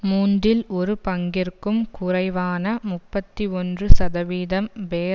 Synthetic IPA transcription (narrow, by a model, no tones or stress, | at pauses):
muːndɪlɔɾɯpɐŋɡɪrkɯmkʊrɐɪʋaːnɐmʊpːɐt̪ːiɔndrɯsɐðɐʋiːðɐmʋeː